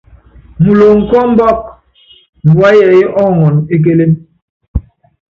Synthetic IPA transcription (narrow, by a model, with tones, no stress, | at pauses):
mu˨lo˨ŋ̩˨kɔ˦m̩˦bɔ˦˨k̚ | m̩˨bwa˦jɛ˨i˦ʔɔ˦˨ŋɔ˨ne˦k̬e˦le˦m